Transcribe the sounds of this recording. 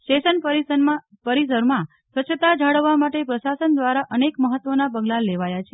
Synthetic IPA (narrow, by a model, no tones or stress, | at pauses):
ʃeʃənpəɾi | pəɾis̬əɾmã | sʋət͡ʃʰət̪ad͡ʒʱaɽəʋːamaʈepɾəʃasənd̪ʋaɾaʔənekməɦət̪ːʋonabəɡlalːeʋajat͡ʃʰe